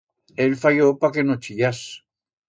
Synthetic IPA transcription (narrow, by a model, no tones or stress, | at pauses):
elfajopakenot͡ʃiʎas